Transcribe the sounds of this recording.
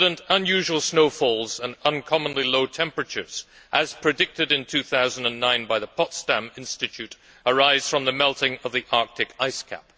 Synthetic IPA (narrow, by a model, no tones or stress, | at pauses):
ɾə̃ntə̃njʉʒwəl̩ˠsnoʊfɔlˠzə̃nə̃nkʰɑmə̃nliloʊtʰɛ̃mpɹɨt͡ʃə̰˞z̥ | ʔɨz̥pʰɹ̥ɨdɪk̚tɨɾɨ̃ntʰʉθaʊzə̃n̩dɨ̃nːãɪ̃nbaɪðəpʰɑtstæ̃mɪ̃nstɨt͡ʃʰʉɾ | ə˞aɪz̥fɹʌ̃mðɨmɛlˠtɪ̃ŋʌvðiʔɑɹk̚tʰɨkaɪskʰæ̰p̚